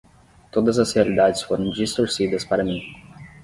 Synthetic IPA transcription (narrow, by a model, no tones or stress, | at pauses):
t̪od̪ɐzɐsoɾid̪ad̪ɪsfoɾɐ̃nd͡ʒist̪oɾsid̪ɐspaɾɐmi